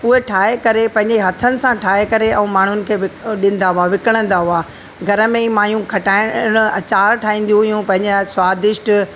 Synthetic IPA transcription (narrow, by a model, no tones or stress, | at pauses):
ʊɦeʈʰaːɦekɐɾepɐ̃ɦɪ̃ɲd͡ʑeɦɐt̪ʰənɪ̆sãʈʰaːɦekɐɾeɐ̃ũmaːɳ̤ʊnɪ̆kʰeːʋɪɗɪ̃nɪ̆d̪aɦʊaʋɪkəɽ̃ə̃nd̪aɦʊaː | ɡʱɐɾəmẽimaːjũkʰɐʈaːɪ̃ɐt͡ɕaːɾʈʰaːɦĩːn̆d̪jũɦijũpɐ̃ɦɪ̃ɲd͡ʑaswaːd̪ɪʃʈ